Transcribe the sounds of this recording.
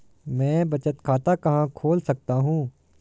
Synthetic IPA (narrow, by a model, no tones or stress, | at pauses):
mɛ̃ːbɐt͡ʃət̪kʰaːt̪akɐɦãkʰoːlsɐk̚t̪aɦũː